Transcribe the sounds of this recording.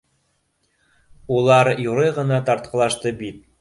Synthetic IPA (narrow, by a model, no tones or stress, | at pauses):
ulˠɑɾjuɾɤjʁɤ̆nɑt̪ɑɾt̪̚qɤ̆lˠɑʃt̪ɤbit̪̚